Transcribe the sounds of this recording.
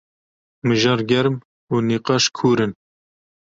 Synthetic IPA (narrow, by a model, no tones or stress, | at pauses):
mɨʒɑːɾɡʲɛɾm | uːniːqɑːʃkʰuːɾɨn